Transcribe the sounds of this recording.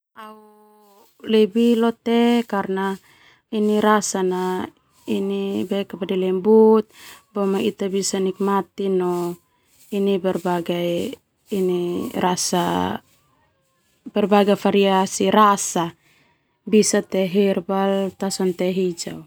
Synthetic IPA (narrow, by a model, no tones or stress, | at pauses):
au | lebilɔt̪ekarna | iniɾasana | inibɛkapadɛlɛmbut̪̚bɔmait̪abisanik̚mat̪inɔ | inibɛrbaɡaː | nirasa̰ | bɛrbaɡafaɾiasiɾasa | bisat̪ɛɦirbalt̪asɔnt̪ɛɦid͡ʒa̰